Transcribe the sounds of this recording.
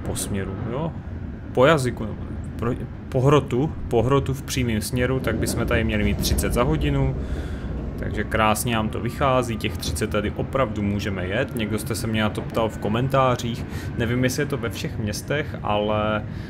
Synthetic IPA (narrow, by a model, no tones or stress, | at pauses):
po̞smɲɛɾujo | po̞jazɪkunɛ̰ | pɾo | po̞ɦɾo̞t̪upo̞ɦɾo̞t̪ufpr̥iːmiːmsmɲɛɾut̪aɡ̚bɪsmɛt̪adɪmɲɛlɪmiːt̪t̪ːr̝ɪtt͡sɛd̪zaɦo̞ɟɪnu | t̪a̰ɡʒɛkɾaːsɲɛnaːmt̪o̞̰vɪxaːziːcɛxt̪r̝̥ɪ̥t͡sɛt̪ːadɪʔo̞pɾavdumuːʒɛmɛjɛt̪ɲɛɡdo̞st̪ɛsɛmɲɛnat̪o̞pt̪alfko̞mɛnt̪aːr̝iːxnɛvimjɛsɪjɛt̪o̞vɛfʃɛxmɲɛst̪ɛxʔa̰lɛ